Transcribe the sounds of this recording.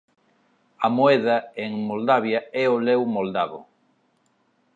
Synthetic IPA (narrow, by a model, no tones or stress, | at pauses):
ɐmoɛðaeŋmold̪aβjaɛolɛwmold̪aβo̰